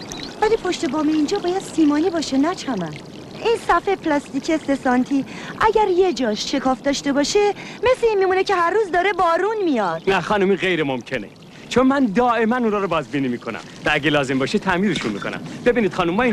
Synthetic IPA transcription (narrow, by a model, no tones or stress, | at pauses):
vælipʰoʃt̪e̞bɒːmeiːnd͡ʒɒːbɒːjæd̪̥siːmɒːniːbɒːʃenæt͡ʃʰæmæn | ʔiːnsæfepʰlɒːst̪icʰest̪esɒnt̪ʰi | ʔæɟæɾje̞d͡ʒɒːʃʃe̞kʰɒːfd̪ɒːʃt̪e̞bɒːʃe̞me̞sleiːnmimuːnecʰe̞hæɾːuːzd̪ɒːɾe̞bɒːɾunmijɒːd̪̥næxɒːnumiːɣejɾemomcʰe̞nḛ | t͡ʃʰonmænd̪ɒːʔemænuːnɒːɾobɒːzbiːniːmiːkʰonæ̰mvææɟelɒːze̞mbɒːʃet̪ʰæmiːɾeʃunmḭːko̞nʔæ̰mb̥e̞biːniːd̪xɒːnumːɒːi